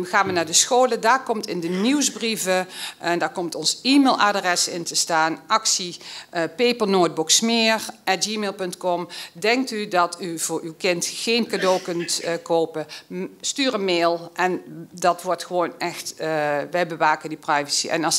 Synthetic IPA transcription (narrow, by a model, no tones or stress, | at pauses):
xaːnʋənaːɹdəsxoːlədaːɹkɔmtɪndəniwzbrivəndaːɹkɔmtɔnzimelˠʔaːdrɛsɪntəstaːnʔɑksipejpəlˠnoːt̚bʊksmɪːrʔɛtd͡ʒiːmelˠpɵntkɔmdɛŋk̚tydɑtyv̥ʊːɹywkɪntxejnkadoːwkɵntkowpəstyːrənmeːlˠʔɛndɑtʋɔɹtxəʋownɛxtʋɛjbəʋaːkəndiprajvəsḭʔɛ̰nɑs